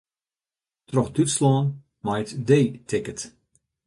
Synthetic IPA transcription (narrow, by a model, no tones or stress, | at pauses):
trɔxdytslɔːn | majtdeːtʰɪkət